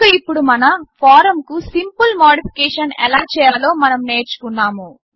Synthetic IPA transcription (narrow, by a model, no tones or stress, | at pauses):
ɐipːuɽumɐnɐpʰaːɾɐmkusimpulmoːɖipʰikɛːʂɐnɛ̰laːt͡ʃɛːjaːlo̞ːmɐnɐmneːɾt͡ʃu̥kunːaːmu